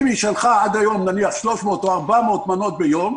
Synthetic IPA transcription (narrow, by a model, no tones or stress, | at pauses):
miʃalχaʕad̪ajo̞mnaniaχʃlo̞ʃmo̞ːt̪oaʁbamoːt̪manot̪̚bejom